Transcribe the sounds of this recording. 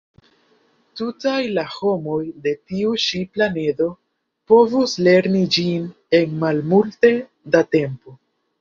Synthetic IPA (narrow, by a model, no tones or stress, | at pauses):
tutajlaho̞mo̞jde̞tiuʃiplane̞do̞ | po̞vusle̞ɾnid͡ʒin | e̞nmalmulte̞ | date̞mpo̞